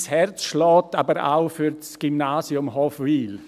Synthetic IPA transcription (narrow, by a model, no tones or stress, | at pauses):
shɛrt͡sʃlɔːtabəɾa̰ʊfyɾt͡sɡ̥imnaːsjʊmɦɔfwiːl